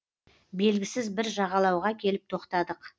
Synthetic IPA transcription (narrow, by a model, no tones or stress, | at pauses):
be̞lɡʲɪsɪzbɪɾʒɑʁɑlˠɑwʁɑkʲʰe̞lɪp̚t̪ʰo̞qt̪ɑd̪əq